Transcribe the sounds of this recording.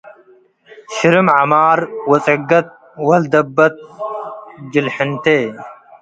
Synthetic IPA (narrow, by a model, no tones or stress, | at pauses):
ɕiɾimʕamaːɾwɐt͡sʼɐɡɐt̪̚ | wɐld̪ɐbːɐt̪̚ | d͡ʑilħɪnt̪eː